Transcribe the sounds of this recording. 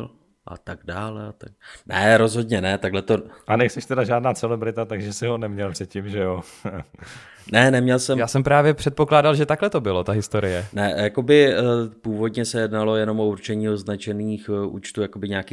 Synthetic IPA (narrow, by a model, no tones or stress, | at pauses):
l | ʔa̰t̪aɡdaːlɛat̪aɡnɛɾo̞zɦo̞dɲɛnɛt̪aɡlɛt̪o̞ʔanɛjsɛʃt̪ɛdaʒaːdnaːt͡sɛlɛbɾɪt̪at̪aɡʒɛsɪɦonɛmɲɛlpr̥ɛt̪̚cɪmʒɛjo | nɛnɛmɲɛlsɛmjaːsɛmpɾaːvjɛpr̝̥ɛt̪̚po̞klaːdalʒɛt̪aklɛt̪o̞bɪlo̞t̪aɦɪst̪o̞ɾɪjɛnɛjako̞bɪpuːvo̞dɲɛsɛjɛdnalo̞jɛno̞mʔo̞uɾt͡ʃɛɲiːoznat͡ʃɛniːxʔṵːt͡ʃt̪uːjakobɪɲaːkiː